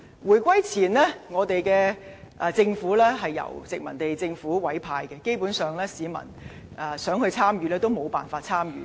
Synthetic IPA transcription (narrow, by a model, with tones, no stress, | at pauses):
wuː˨˩jkʷwɐ˥jt͡sʰiː˨˩nlɛː˥ŋɔː˨˧t̪e˨jkɛː˧ʔɛ˨˧t͡sɪ˧ŋfuː˨˥lɛː˥ɦɐ˨jːɐ̰˨˩wt͡sɪ˨k̚mɐ˨˩nt̪e˨jt͡sɪ˧ŋfuː˨˥wɐ˨˥jpʰaː˧jkɛ˧ke˥jpuː˨˥nsœː˨˩ŋlɛː˥siː˨˧mɐ̰˨˩n | ʔɛ˨sœː˨˥ŋhɵ˧ɥt͡sʰaː˥mjyː˨lɛː˥t̪o˥wmo˨˧wpa̰ː˨nfaː˧t̚t͡sʰaː˥mjyː˨˧